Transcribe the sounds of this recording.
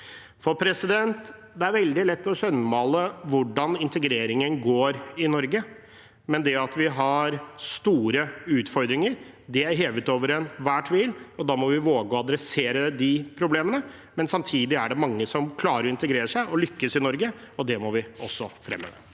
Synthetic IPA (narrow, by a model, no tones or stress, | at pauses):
fɔɾpʰɾɛsɪd̪ɛnt̪ | d̪ɛæɾʋɛld̪ɪlɛt̪ːɔɕɛnːəmɑːləʋʊɖɑnɪnt̪əɡɾeːɾɪŋənɡoːɾɪnɔɾɡə | mɛnd̪ɛɑt̪ʋɪɦɑɾst̪uːɾəʉːt̪fɔɾd̪ɾɪŋəɾ | d̪ɪæɾɦeːʋət̪oːʋəɾɛnʋæːʈʰʋɪlɔd̪ɑːmɔʋɪʋoːɡəɔɑd̪ɾɛseːɾəd̪ɪpʰɾʊbleːmənə | mɛnsɑmt̪ʰiːd̪ɪæɖɛmɑŋːəsɔmkʰlɑːɾəɾɔɪnt̪əɡɾeːɾəʂæɪʔɔlʏkːəsɪnɔɾɡəɔd̪ɛmɔʋɪɔsːɔfɾɛ̰mːə̰ʋə̰